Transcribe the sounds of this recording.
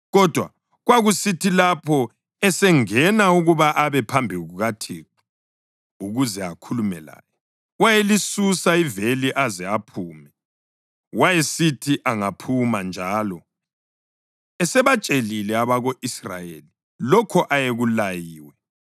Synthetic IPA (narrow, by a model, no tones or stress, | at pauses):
ɣɔd̥ʱwa̰ | ɣwaɣusitʰilapʰɔ | ɛsɛŋɛnauɣuβaʔaβɛpʰambʱiɣuɣatʰeːǁu̥ | uɣuzɛakʰulumɛ̰la̰ːjɔ | wajelisusaiveliʔazɛapʰuːmɛ | wajesitʰiʔaŋapʰumand͡ʒʱaːlɔ | ɛsɛβat͡ʃʼelilɛaβaɣoʔisra̰jḛli | lɔkʰɔʔajeɣulajiːwɛ